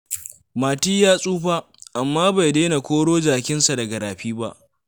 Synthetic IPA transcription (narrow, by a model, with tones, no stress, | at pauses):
maː˨tiː˦jaː˦sʼuː˦ɸaː˦ | ʔa˨mːaː˦ba˨jdeː˦na˨kʷoː˦ɽoː˦d͡ʒaː˨kʲɪ˦nsa˨dɐ˨ɡɐ˨ɾaː˨ɸiː˦ba̰˦ʔ